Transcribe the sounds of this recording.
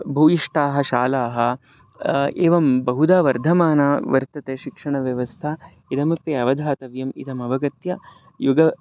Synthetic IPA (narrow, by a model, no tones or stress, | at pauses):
bʱɐːiʂʈaːɦɐ̆ʃaːlaːɦɐ̆ | ḛːʋɐmbɐɦud̪aːʋɐɾd̪ʱɐmaːnaːʋɐɾt̪ɐt̪eːʃikʂɐɳɐʋjɐʋɐst̪ʰɐ | id̪ɐmɐpeːɐʋɐd̪ʱaːt̪ɐʋjɐmḭd̪ʱɐmɐʋɐɡɐt̪jɐ | juɡɐ